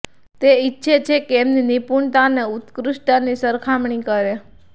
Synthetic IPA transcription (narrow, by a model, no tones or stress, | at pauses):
t̪eitːʃʰet͡ʃʰekeːmninipuɳt̪aneut̪kɾuʃʈanisəɾkʰamɳikəɾe